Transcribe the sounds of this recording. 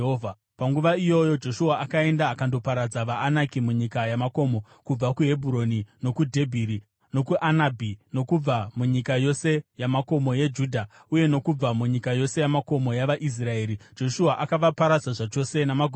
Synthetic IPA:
ɦova | paŋɡuʋaijo̞jo̞d͡ʒo̞ʃuaʔakae̞ndaːkando̞paɾad͡zaʋaːnakimuɲikajamako̞mo̞ | kub͡vakuɦe̞bʱuɾo̞nino̞kudʱe̞bʱiːɾi | no̞kuʔanabʱino̞kub͡vamuɲikajo̞se̞jamako̞mo̞jed͡ʒudʱa | uje̞no̞kub͡vamuɲikajo̞se̞jamako̞mo̞jaʋaʔis̬rae̞ːɾid͡ʒo̞ʃuaʔakaʋapaɾad͡zaʐat͡ʃo̞se̞namaɡʱ

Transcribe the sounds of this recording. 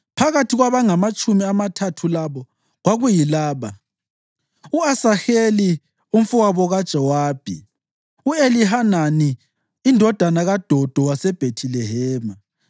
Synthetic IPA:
pʰaɣatʰiɣwaβaŋamat͡ʃʼumiamatʰatʰulaβɔ | ɣwaɣujilaːβa | uasaxeli | uɱ̩fuwaβɔɣad̥ʒ̥ʱɛwaːb̥ʱḭ | ueliɦananiː | ndʱɔd̥ʱanaɣad̥ʱɔd̥ʱɔwasɛb̥ʱetʰilɛɦɛːma

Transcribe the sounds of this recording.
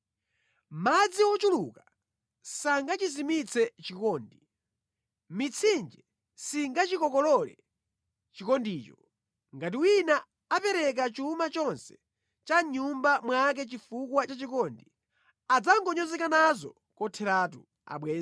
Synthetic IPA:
mad͡ziwɔt͡ʃuluka | saŋɡat͡ʃizimit͡sʰɛt͡ʃikɔːndi | mit͡sʰind͡ʒɛ | siŋɡat͡ʃikɔkɔlɔlɛ̰ | t͡ʃikɔndiːt͡ʃɔ | ŋɡat̬iwinaː | pɛɾɛk̬at͡ʃumat͡ʃɔnsɛ̥ | t͡ʃaɲumbamwak̬ɛt͡ʃifukwat͡ʃat͡ʃikɔndi | ad͡zaŋɡɔɲɔzɛkanazɔ | kɔtʰɛɾat̬u | a̰ɓwɛːz

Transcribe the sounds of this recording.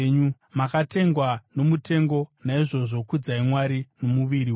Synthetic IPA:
ɲu | makate̞ŋɡwano̞mute̞ŋɡo̞naiʐo̞ʐo̞kud͡zaimwaɾino̞muʋiɾiw

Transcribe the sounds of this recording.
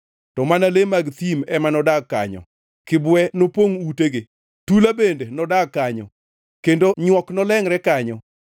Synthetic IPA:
tɔmanalemaɡt̪imɛmanɔdakːa̰ɲɔ̰ | kɪbwɛnopoŋuteɡe | tulabendenɔdakːaɲɔ̰ | kendoɲwɔknɔlɛŋɾɛkaɲɔ

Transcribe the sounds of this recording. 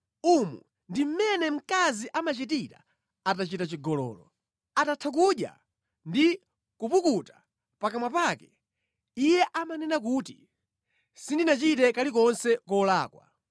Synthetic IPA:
umṵ | ndim̩mɛnɛm̩kaziʔamat͡ʃitita̰ | atat͡ʃitat͡ʃiɡɔlɔ̰ːlɔ̰ | atatʰak̬uɗja̰ | ndi | kupukutḁ | pakamwapakɛ | ijɛʔamanɛnakuːti | sindinat͡ʃitɛkalikɔnsɛkɔlaːkwa̰

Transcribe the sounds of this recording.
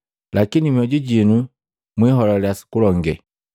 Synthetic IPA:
lakinimiɔɟiɟinu | mwiɦɔlɔljasi̥kulɔŋɡɛ

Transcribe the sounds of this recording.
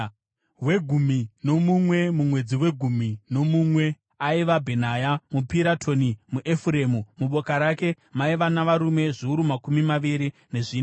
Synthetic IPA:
we̞ɡʱumino̞mumwe̞mumwe̞d͡ziwe̞ɡʱumino̞mumwe̞ | aiʋabʱenajamupiɾatʰo̞nimuʔe̞fuɾe̞mumuɓo̞kaɾake̞ | maiʋanaʋaɾume̞ʐiuɾumakumimaʋiɾine̞ʐiːna

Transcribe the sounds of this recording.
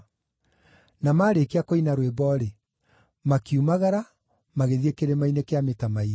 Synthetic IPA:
namaːɾekeakoinaɾwebɔɾe | makiumaɣaɾa | maɣeðiekeɾemainekeametamai

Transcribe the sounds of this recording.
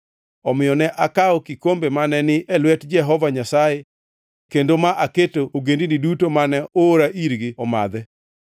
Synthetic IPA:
ɔmɪjɔnɛʔakaɔkikombemanɛnɪɛlwɛtd͡ʒɛɦɔvaɲasaje | kendomaʔaketooɡendinidutomanɛoɾaʔiɾɡɪɔma̰d̪ɛ

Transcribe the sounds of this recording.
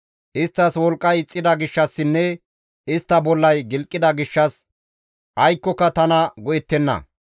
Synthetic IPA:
ʔɪst̪ːɐswɔlkʼːɐjɪt͡sʼːɪd̪ɐɡɪʃːɐsːɪnːɛ | ɪst̪ːɐbɔlːɐjɡɪlkʼːɪd̪ɐɡɪʃːɐs | ʔɐjkːɔkːɐt̪ɐnɐɡɔjɛt̪ːɛnːɐ̰

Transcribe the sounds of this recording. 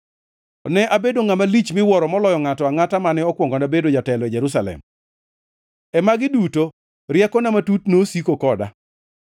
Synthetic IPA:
ɔnɛʔabedoŋamalit͡ʃmɪwɔɾɔmɔlɔjɔŋatɔaŋatamanɪɔkwɔŋɡɔnabedod͡ʒatɛlɔid͡ʒɛɾus̬alɛ̰m | ɛmaɡɪduto | ɾjakɔnamatutnosikokɔda̰

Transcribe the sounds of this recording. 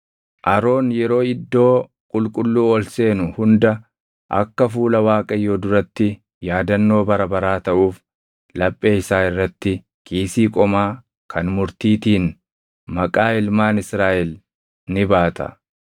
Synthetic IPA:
ʔɐɾo̞ːnjɛɾo̞ːɪd̪ːo̞ː | kʼʊlkʼʊlːuːɔlse̞ːnʊhʊnd̪ɐ | ʔɐ̰kːɐfuːlɐwaːkʼɐjoːd̪ʊɾɐt̪ːɪ | jaːd̪ɐnːo̞ːbɐɾɐbɐɾaːt̪ɐʔuːf | lɐpʼːe̞ːɪsaːɪrːɐt̪ːɪ | kʼiːsiːkʼɔmaː | kʰɐnmʊɾt̪iːt̪iːn | mɐkʼaːɪlmaːnɪsɾaːʔɛl | nɪbaːt̪ʰɐ̰

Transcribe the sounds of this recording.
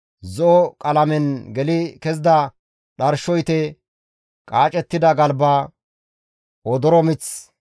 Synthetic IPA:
zɔʔɔkʼɐlɐmɛnɡɛlɪkɛzd̪ɐ | ɗɐɾʃɔjt̪ɛ | kʼaːt͡ʃʼɛt̪ːɪd̪ɐɡɐlba | ɔd̪ɔɾɔmɪt͡s

